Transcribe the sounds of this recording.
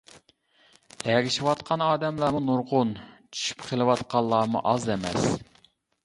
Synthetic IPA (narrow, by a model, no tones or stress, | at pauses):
ɛɡʲiʃiwɑt̪̚qʰɑnɑːd̪ɛmlˠɑːmunuɾʁʊnt͡ʃʰy̥ʃy̥pqʰəlˠɨwɑt̪̚qʰɑlˠːɑːmṵʔɑzɛmɛ̰s